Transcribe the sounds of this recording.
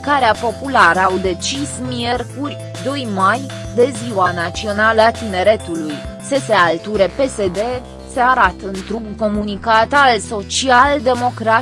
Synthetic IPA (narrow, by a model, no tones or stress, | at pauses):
kaɾeapo̞pulaɾəawd̪e̞t͡ʃismie̞rkurʲ | d̪o̞jmaj | d̪e̞ziwanat̪sio̞naləat̪ine̞ɾe̞t̪ulujse̞se̞alt̪uɾe̞pe̞se̞d̪e̞ | seaɾat̪əɨnt̪ɾuɡko̞munikat̪also̞t͡ʃiald̪e̞mo̞kɾat̪